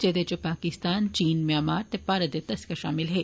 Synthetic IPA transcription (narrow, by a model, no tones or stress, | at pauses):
t͡ʃɛd̪et͡ʃopaːkɪst̪aːnt͡ʃiːnmẽamaːɾt̪epaːɾɐd̪et̪ɐskaʃaːmɪlɦɛː